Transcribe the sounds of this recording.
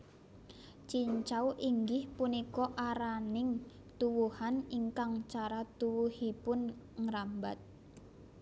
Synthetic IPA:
t͡ʃiɲt͡ʃawʔiŋɡɪhpunikɔʔaɾanɪŋ | t̪uwuhaniŋkaŋt͡ʃaɾat̪uwuhipʊn | ŋɾamba̰t̪̚

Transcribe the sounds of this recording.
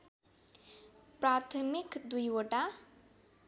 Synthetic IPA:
pɾat̪ʰəmikd̪ujoʈa

